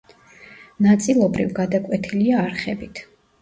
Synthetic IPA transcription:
nat̪sʼilˠɔbɾivɡad̪akʼwɛt̪ʰiliaːɾχɛbit̪ʰ

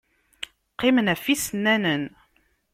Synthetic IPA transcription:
qːɪmənæfisənːænən

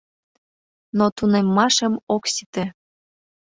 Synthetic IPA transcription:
not̪unemːɑʃə̆moksit̪ĕ

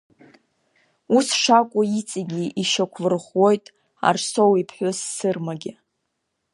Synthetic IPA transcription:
usʂakʷʼʊit͡sʼiɡʲiʔiʃakʷʰvɨrχʷwo̞jtʼ | a̰rso̞wipʰħʷᶣʊsːɨrmaɡʲɪ

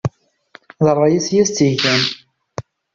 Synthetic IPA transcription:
ðˤrˤːɑjæsjæst͡s̪ːiʝæn

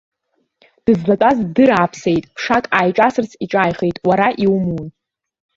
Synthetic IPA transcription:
d̥ɨzlatʼazdɨɾaːpʰsejtʼpʰʂakʼaːjʈ͡ʂʼasɨrt͡sʰiʈ͡ʂʼajχejtʼwaɾaʔiwmun

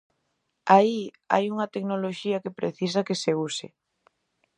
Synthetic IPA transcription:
ai | a̰juŋɐt̪ek̚noloʃiɐkepɾḛθisɐkeseusɪ̰

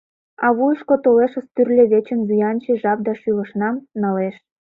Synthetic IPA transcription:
ɑβujəʃkot̪oleʃə̆st̪yrlʲĕβʲet͡ɕə̆nzujɑnʲt͡ɕeʒɑp̚d̪ɑʃylə̆ʃnɑmnɑleʃ

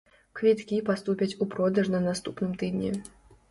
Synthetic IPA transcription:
kvʲit̪kʲipast̪upʲɐt͡sʲupɾɔd̪ɐʐnɐnast̪upnɨmt̪ɨd̪ʲnʲḭ

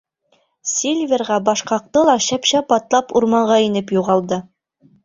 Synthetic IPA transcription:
sʲelʲvʲerʁɑbɑʃqɑq̚t̪ɤlˠɑɕæpɕæpɑt̪lˠɑpuɾmɑɴʁɑinɘpjuʁɑlˠd̪ɤ

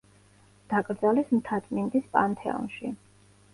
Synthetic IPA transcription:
d̪̥akʼɾd̪zalismt̪ʰat̪sʼmind̪ispʼant̪ʰɛ̰ɔ̰nʃi

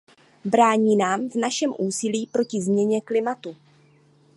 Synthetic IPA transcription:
bɾaːɲiːnaːmvnaʃɛmʔuːsɪliːpɾo̞cɪzmɲɛɲɛklɪmat̪u

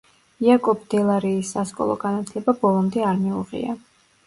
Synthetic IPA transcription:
iakʼɔbʰd̪̥ɛlˠaɾiːsːaskʼɔ̰lˠɔ̰ɡanat̪ʰlɛbabɔlˠɔmd̪ɛaɾmiuʁḭa

